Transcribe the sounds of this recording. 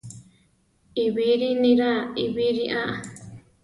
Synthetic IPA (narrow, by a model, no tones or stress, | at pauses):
iβiɾinĩɾaiβiɾiʔaʔa